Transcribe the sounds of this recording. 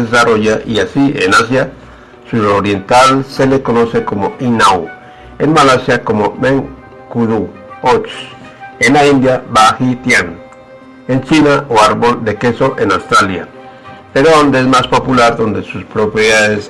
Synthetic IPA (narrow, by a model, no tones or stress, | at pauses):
ðesaroʝaʔiasienas̬ja | suɾoɾjent̪alselekonosekomoʔinaw | enmalasjakomomeŋ | kuðu | ot͡ʃ | enaind̪jabaxit̪jan | ent͡ʃinaʔoaɾβold̪ekesoʔenawst̪ɾalja̰ | peɾoðond̪eezmaspopulaɾðond̪esuspɾopɾjeðaðes